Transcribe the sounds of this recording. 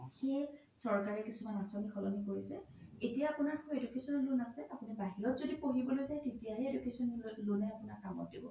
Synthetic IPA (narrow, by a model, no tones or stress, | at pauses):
xej | sɔɹkaɹɛkisumanasonixʰɔlɔnikoɹisɛ | etijaːpʊnaɹkuedukesɔnɔlunasɛapʊnibaɦiɹɔtzodipoɦibɔlojzajtetijaɦɛedukesɔnlunaapʊnaɹkamɔ̰t̚dibɔ̰